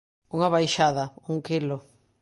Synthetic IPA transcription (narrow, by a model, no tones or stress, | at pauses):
uŋaβajʃaðɐuŋkilo